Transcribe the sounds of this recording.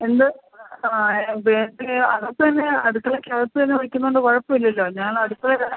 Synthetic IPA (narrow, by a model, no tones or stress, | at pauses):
e̞nd̪ɨ | aebed̪ɨɐɣɐt̪ːɨt̪ɐnːe̞ɐɽukːɐɭekʲːaːlɐtːɨt̪ɐnːeʋɐɻikʲːunːɐoɳɖɨkɐɻɐpːɐmilːɐlːo̞ːɲaːɳɐɽukːɐɭekɐ